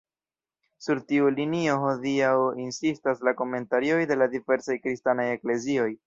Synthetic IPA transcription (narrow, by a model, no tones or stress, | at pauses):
suɾtiulinio̞ɦo̞diawinsistaslako̞me̞ntaɾio̞jde̞ladive̞ɾsajkɾistanaje̞kle̞zio̞j